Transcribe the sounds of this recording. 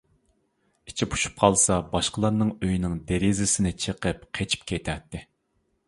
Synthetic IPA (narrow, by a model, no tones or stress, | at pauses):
it͡ʃʰipʰu̥ʃu̥p̚qʰɑlˠsɑbɑʃqəlˠɑɾnɨŋøjnɪŋd̪eɾɪzɪsɪnɪt͡ʃʰəqəp̚qʰet͡ʃʰi̥pkʲʰet̪ʰɛt̪ːɪ